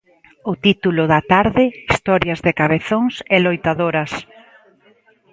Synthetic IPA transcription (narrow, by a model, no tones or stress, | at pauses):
ʊt̪it̪ulʊðɐt̪aɾðɪist̪ɔɾjɐzðɪkaβeθoŋsɛlojt̪aðoɾɐs